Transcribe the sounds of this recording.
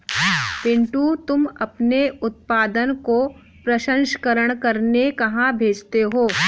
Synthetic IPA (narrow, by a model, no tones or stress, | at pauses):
pɪ̃ɳʈut̪ʊmɐpneʊt̪̚paːd̪ənko | pɾɐʃə̃ŋʃə̥kəɾəɽ̃kɐɾnekɐɦãbʱeːd͡ʒt̪eɦoː